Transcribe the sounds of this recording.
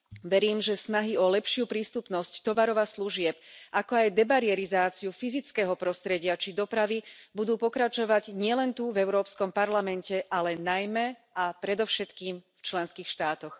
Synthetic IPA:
ʋɛɾiːmʒɛsnaɦiɔlɛpʃɪupɾiːst̪upnɔsct̪ɔʋaɾɔʋasluʒɪɛpʔakɔajd̪ɛbaɾiɛɾizaːt͡siufizit͡skɛːɦɔpɾɔst̪ɾɛɟɪat͡ʃid̪ɔpɾaʋibud̪uːpɔkɾat͡ʃɔʋaɟɲɪɛlɛnt̪uvɛʊɾɔːpskɔmpaɾlamɛncɛʔalɛnajmɛapɾɛd̪ɔʊʃɛt̪kiːmft͡ʃlɛnskiːxʃt̪aːt̪ɔx

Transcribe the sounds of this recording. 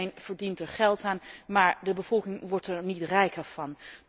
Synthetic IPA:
jnv̥əɹdintɛɹχɛlˠtaːnmaːɹdəbəv̥ɔlˠkɪŋʋɔɹtɛɹnitrɛjkəɹv̥ɑn

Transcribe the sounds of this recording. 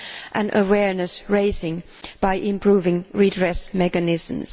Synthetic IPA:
ʔɨ̃nʔəwɛɹnɨsɹeɪsɪ̃ŋ | b̥aɪʔɪ̃mpʰɹ̥uvɪ̃ŋɹidɹɛsmɛkɨnɪz̃m̩z̥

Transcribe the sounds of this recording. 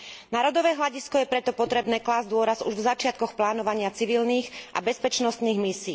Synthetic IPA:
naɾɔd̪ɔʋɛːɦlaɟiskɔjɛpɾɛt̪ɔpɔt̪ɾɛbnɛːklaːzd̪ʊɔɾazṵʒvzat͡ʃɪat̪̚kɔxplaːnɔʋaɲɪat͡siʋilniːxʔa̰bɛspɛt͡ʃnɔst̪niːɣmisiː

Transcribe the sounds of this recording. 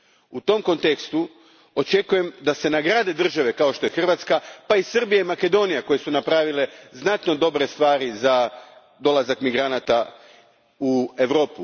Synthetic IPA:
ut̪o̞mko̞nt̪ekst̪u | o̞t͡ʃe̞kuje̞md̪ase̞naɡɾaːd̪e̞d̪r̩ʒaʋe̞kao̞ʃt̪o̞je̞xr̩ʋat̪skapaisɨr̩bijaimake̞d̪o̞nijako̞je̞sunapɾaːʋile̞znat̪no̞d̪o̞bɾe̞st̪ʋaːɾiza | d̪o̞lazakmiɡɾanat̪a | ue̞ʋɾo̞ːpu

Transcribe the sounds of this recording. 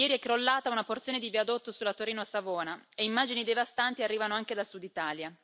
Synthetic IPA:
jɛːɾiɛkːɾolːaːt̪aunaport̪sjoːned̪iviad̪ot̪ːosulːat̪oɾiːnoasavoːnaeimːaːd͡ʒinid̪evast̪ant̪iarːiːvanoaŋked̪asud̪it̪aːlja

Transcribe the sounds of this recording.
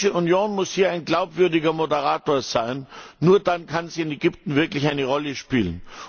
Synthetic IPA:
ʃəʔunjoːnmʊshiːɐaɪnɡlaʊpv̥ʏɐdɪɡɐmodəʁaːtoːɐz̥aɪnːuːɐdankʰanziːɪnɛɡʏptn̩vɪɐklɪçaɪnəʁɔləʃpiːlən

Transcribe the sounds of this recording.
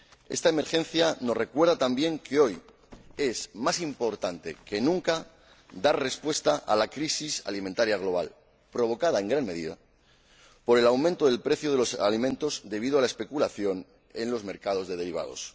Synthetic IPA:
est̪ae̞me̞ɾxe̞n̟θjano̞re̞kwe̞ɾð̞at̪ambje̞ŋkeo̞j | e̞zmasimpo̞ɾt̪ant̪e̞̰ke̞nũŋka | d̪are̞spwe̞st̪aʔa̰lakɾisisa̰limẽ̞nt̪aɾjaɣ̞lo̞β̞al | pɾo̞β̞o̞kað̞ae̞ŋɡɾanme̞ðiða̰ | po̞ɾe̞lawmẽnt̪o̞ðe̞lpɾe̞θjoðe̞lo̞salimẽnt̪o̞zd̪e̞βiðoalae̞spe̞kulaθjo̞n | e̞nlo̞zme̞ɾkað̞o̞zðe̞ð̞e̞ɾiβ̞a̰ð̞o̞̰s

